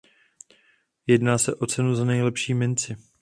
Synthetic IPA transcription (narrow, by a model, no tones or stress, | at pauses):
jɛdnaːsɛʔo̞t͡sɛnuzanɛjlɛpʃiːmɪnt͡sɪ